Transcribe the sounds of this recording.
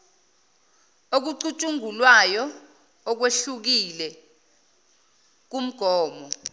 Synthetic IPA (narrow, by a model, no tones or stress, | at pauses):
ok̬uǀut͡ʃʼuŋulwajɔː | k̬weɬuk̬ilɛ | k̬um̩ɡ̥ʱɔːmɔ